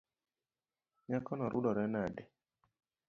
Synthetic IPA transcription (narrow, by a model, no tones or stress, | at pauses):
ɲakɔnɔɾʔudɔɾɛnadɛ